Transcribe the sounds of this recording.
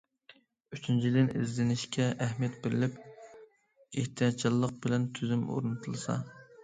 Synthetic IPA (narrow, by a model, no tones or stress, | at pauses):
yt͡ʃʰynt͡ʃʰid̪ɪnɪ̰zlɪnɪʃkʲʰɛʔæhmijɛt̪bɪɾɪlɪp | eht̪ʰijɑt̪̚t͡ʃʰilˠːəq̚bɪlɛnt̪ʰyzymo̰ɾnɨt̪ʰɨlˠɨsɑ̰